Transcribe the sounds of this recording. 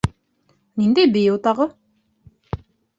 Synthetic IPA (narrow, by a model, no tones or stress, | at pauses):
nind̪ejbijuwt̪ɑʁɤ